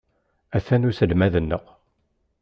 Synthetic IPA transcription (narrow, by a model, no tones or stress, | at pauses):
æθænusəlmæðənːəq